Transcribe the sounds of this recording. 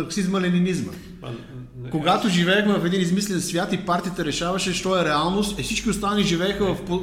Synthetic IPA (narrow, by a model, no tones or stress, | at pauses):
ɐɾksizməlɛninizmə̰ | koɡat̪oʒivɛxmɛvɐfɛd̪inizmislɛnsvʲjat̪ipaɾt̪iət̪ɛɾɛʃavɐʃɛʃt̪ɔɛɾɛalˠnost̪ɛfsit͡ʃkʲiʊst̪aniʒivɛːxəvɐfpo